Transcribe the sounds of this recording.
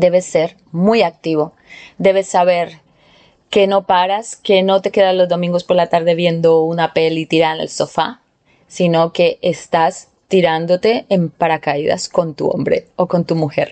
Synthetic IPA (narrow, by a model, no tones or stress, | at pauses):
d̪e̞βese̞ɾ | mujak̚t̪iβo̞ | d̪e̞βesːaβe̞ɾ | ke̞no̞paɾaske̞no̞t̪e̞ke̞ðalo̞zðo̞mĩŋɡo̞spo̞ɾlat̪aɾðe̞βje̞nd̪o̞unape̞lit̪iɾaɾnḛlso̞fa̰ | sino̞ke̞ʔːst̪as | t̪iɾand̪o̞t̪e̞ːmpaɾakaiða̰sko̞nt̪ṵo̞̰mbɾe̞̰oko̞nt̪umuxe̞̰ɾ